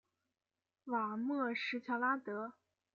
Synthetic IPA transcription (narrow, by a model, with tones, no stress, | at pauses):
wa˨˩mɤ˥˩ʂɻ̩˧˥t͡ɕʰjɑ˧˥la˥t̪ɤ˧˥